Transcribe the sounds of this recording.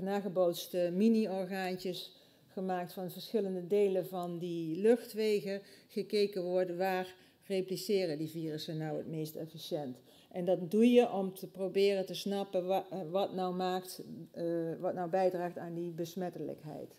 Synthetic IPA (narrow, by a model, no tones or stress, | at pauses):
naːɣəbowtstəminiɔɹɣaːntəs | χəmaːk̚tfɑnvəɹsχɪləndədejləvɑndilɵxtʋejɣəɣəkejkəʋɔɹtʋaːr | replisɪːrədiviːrəsənɔwə̰tmejstɛ̰fisjɛnt | ʔɛndɑtdujəʔɔmtəprowbɪːrətəsnɑpənʋɑtnɔwmaːkt | ʋɑtnɔwbɛjdraːχtaːndibəsmɛtələ̰kɦɛ̰jt